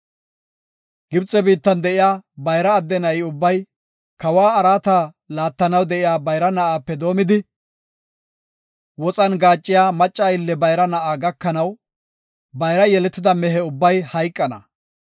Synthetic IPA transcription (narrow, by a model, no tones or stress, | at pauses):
ɡ̥ɪbt͡sʼɛbiːt̪ːɐnd̪ɛʔɪjaːbɐjɾɐːd̪ːɛnɐɪʊbːɐj | kɐwaːɐɾaːt̪aː | laːt̪ːɐnɐwd̪ɛʔɪjaːbɐjɾɐnɐʔaːpːɛd̪o̞ːmɪd̪ɪ | wɔt͡sʼɐnɡaːt͡ʃʼːɪjaːmɐt͡ʃʼːajɪlːɛbɐjɾɐnɐʔaːɡɐkːɐnɐw | bɐjɾɐjɛlɛt̪ːɪd̪ɐmɛɦɛʊbːɐjhɐjkʼːɐnɐ̰